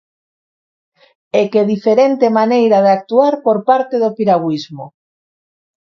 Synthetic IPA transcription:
ekeðifeɾent̪emanejɾaðeak̚t̪uaɾpoɾpaɾt̪eðopiɾaɣwizmo

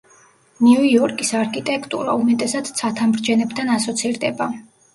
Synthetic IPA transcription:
niujɔɾkʼisaɾkʰʼit̪ʼɛkʰʼt̪ʼṵɾa̰umɛt̪ʼɛsad̪t̪sʰat̪ʰamɾd͡ʒɛnɛbt̪ʰanasɔt̪sʰiɾd̪ɛba

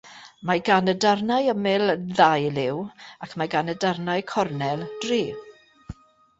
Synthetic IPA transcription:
maɡanədarnajəmɪlðajlɪwakʰmajɡanədarnajkʰɔrnɛlˠd̥riː

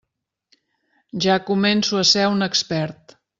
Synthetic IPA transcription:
ʒakumɛnsuəsɛunəkspɛɾt̪

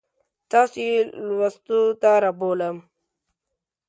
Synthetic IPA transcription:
t̪ɑsilwast̪ut̪aɾaboːləm

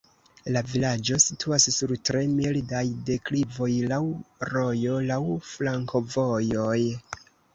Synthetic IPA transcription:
lavilad͡ʒo̞sitʰuassuɾtɾe̞mildajde̞klivo̞jlawɾo̞jo̞lawflaŋko̞vo̞jo̞j

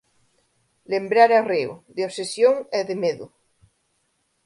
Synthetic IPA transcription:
lembɾaɾareo̰ðeoβsesjoŋeðemeðʊ

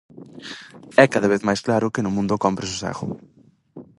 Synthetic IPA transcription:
ɛkaðɐβ̞eθmajsklaɾʊkɪnʊmũnd̪ʊkɔmpɾɪs̬usa̰ɣʊ̰

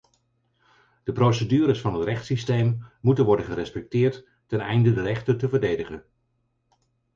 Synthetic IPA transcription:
d̥əprowsədyːɾəsfɑnɦətrɛχtsistejmːutənʋɔɹdənχəɾɛspɛk̚tɪːɹtː | ɛnɛjndədərɛχtətəvəɹdejdəχən

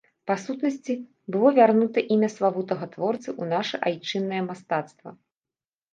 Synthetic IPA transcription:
pasut̪nɐsʲt͡sʲi | bɨlˠɔvʲarnut̪ɐʔimʲɐslˠavut̪ɐɣɐt̪vɔrt̪sɨʔunaʂɛʔajt͡ʂɨnːɐjɛmast̪at̪st̪vɐ̰

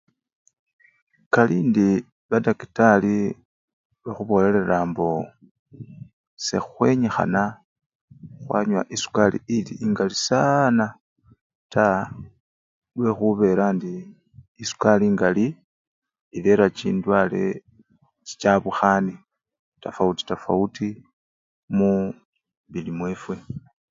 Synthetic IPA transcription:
kaliːndi | βadakitali | βaxuβo̞ːle̞le̞ɾaːmbo̞ | se̞̰xwe̞ɲexa̰na | xwa̰ɲwa̰ʔisu̥kalḭiliiŋɡalisana | ta | lwe̞xuβe̞ːɾandiː | su̥kaliːŋɡali | ileɾat͡ʃiːndwaːle̞̰ | t͡ʃi̥t͡ʃaβuxani | tafauti̥tafa̰uti | mu | βilimwe̞ːfwe̞

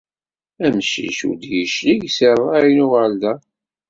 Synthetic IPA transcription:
æmʃḭʃṵd̪jəʃliʝsərˤːɑjnʊʁəld̪æ

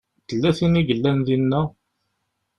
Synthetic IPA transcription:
t̪əlːæθiniʝəlːænðinːæ

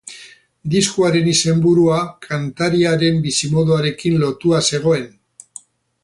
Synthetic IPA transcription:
d̪iskuaɾe̞nise̞mbuɾuakʰant̪aɾiaɾe̞mbisimo̞ðuaɾe̞kinlo̞t̪uase̞ɣ̞o̞e̞n

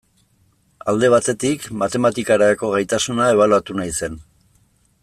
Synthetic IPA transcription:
ald̪e̞β̞at̪e̞t̪ikmat̪e̞mat̪ikaɾako̞ɣ̞ajt̪asunae̞β̞alat̪unajse̞n

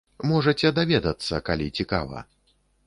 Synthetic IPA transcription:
mɔʐɐt͡sʲɛd̪avʲɛd̪ɐt̪sːɐkalʲit͡sʲika̰vɐ̰

